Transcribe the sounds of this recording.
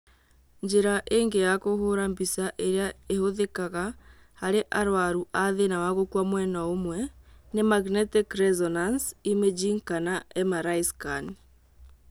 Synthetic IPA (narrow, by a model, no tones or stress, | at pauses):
ɲd͡ʒeɾaʔeːŋɡejakoɦoɾambisaʔeɾeaehoðekaɣa | haɾeʔaɾwaɾuʔaðenawaɣokwamwɛnaomwɛnemaɡnɛtekɾɛzɔnansimed͡ʒiŋkanaɛmaɾaiskan